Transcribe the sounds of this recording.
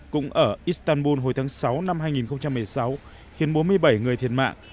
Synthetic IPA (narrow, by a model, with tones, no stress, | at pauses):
kʊ̰˧˥ŋ͡mʔəː˧˩ʔi˦˥st̪aː˧nɓu˧nɦo˨˩jt̪ʰaː˨˦ŋsa˨˦wna˧mɦaː˧jŋi˨˩nxə˧wŋ͡mt͡ɕa˧mːɨ˨˩əjsa˨˦w | xi˨˦ənɓo˨˦nmɨ˧əjɓa˧˩jŋɨ˨˩əjt̪ʰḭ˧˩ənma̰ː˧˨ŋ